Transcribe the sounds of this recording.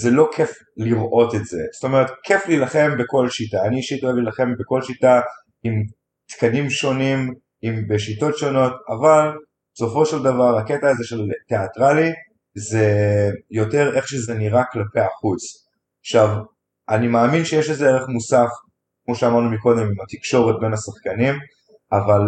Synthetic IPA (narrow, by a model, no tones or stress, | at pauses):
zelo̞kʰef | liʁʔo̞tetze̞̰zo̥to̞me̞ʁet̪kʰe̞flilaχe̞mbeko̞lʃitaːniiʃitoevlilaχe̞mbe̞ko̞lʃita | im | t̪kanimʃo̞nim | imbeʃito̞tʃo̞no̞taval | be̥so̞fo̞ʃeldavaʁaketaːzeʃe̞lte̞atʁali | ze̞jo̞te̞ʁe̞χʃeze̞niʁaklapeaχut͡s | aχʃav | ʔanimaːminʃejeʃetzeeʁeχmusaf | kmo̞ʃeamaʁnumiko̞d̪e̞mimat̪ikʃo̞ʁet̚be̞nasaχkanim | ʔaval